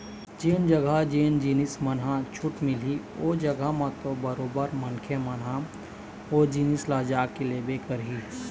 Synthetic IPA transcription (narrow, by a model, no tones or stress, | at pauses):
d͡ʒeːnd͡ʒəɡad͡ʒeːnd͡ʒinɪsmənɦãt͡ʃʰʊʈmɪlioːd͡ʒɐɡamãt̪obəɾoːbəɾmənkʰjemɐnɦã | oːd͡ʒiːnɪslaːd͡ʒaːkeleːbekəɾɦiː